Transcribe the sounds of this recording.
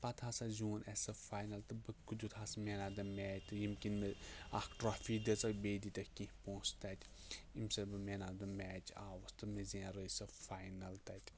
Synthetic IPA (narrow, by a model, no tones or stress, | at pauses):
pɐt̪ʰasɐzuːnʔɛsɐfaːjnɐlt̪ɨbɨkud̪ut̪ʰasɐmenaːd̪ɐmʲɛːt͡ʃt̪ɨjimkʲinmea̰kʈɾaːfiːd̪ɐt͡sɐkbeːd̪it̪ɐkĩpõːst̪at̪ʲ | imsɐbɨmenad̪ɐmʲɛːt͡ʃʰaːʋɐst̪ɨmezãɾəjsɐfaːjnɐlt̪ɐt̪ʲ